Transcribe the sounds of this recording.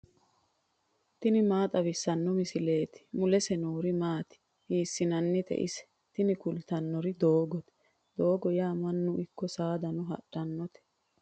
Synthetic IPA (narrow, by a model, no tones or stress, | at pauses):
t̪ɪnɪmaːt̪ʼɐβɪsːɐnːɔmɪsɪle̞ːt̪ɪ̥mʊlɛsɛnoːɾɪmaːt̪ɪ̥ | hiːsːɪnɐnːɪt̪ʰɛ̰ʔɪsɛ̥ | t̪ɪnɪkʊlt̪ɐnːɔɾɪd̪oːɡɔt̪ɛ̥ | d̪o̞ːɡɔjaːmɐnːʊʔɪkːɔsaːd̪ɐnʊɦɐ̰ɗɐnːɔt̪ɛ̥